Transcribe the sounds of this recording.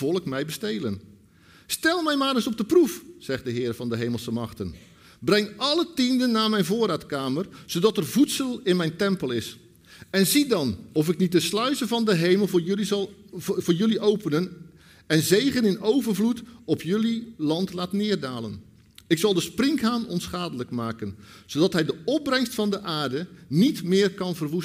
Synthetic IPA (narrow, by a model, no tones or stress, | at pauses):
ɔlˠəkmɛjbəstelən | stɛlˠmɛjmaːɾəsɔp̚dəprufz̥ɛχt̚dəɦɪːrvɑndəɦejməlˠsəmɑχtən | brɛŋɑlˠətindənːaːmɛjnvoːɾaːtkaːmərz̥owdɑtərvutsəlˠɪnmɛjntɛmpəlˠɪs | ɛnzidɑnɔfɪknit̚dəslœɥzəvɑndəɦejməlˠ | vʊːɹjɵliʔowpənən | ɛnzejχənɪnowvərvlutɔpjɵlilɑntlaːtnɪːrdaːlə̰n | ɪksɑlˠdəsprɪŋkɦaːnɔ̰nsχaːdələkmaːkənz̥odɑtɦɛjdəɔp̚brɛŋstfɑndəʔaːrdənitmɪːrkɑnvərʋus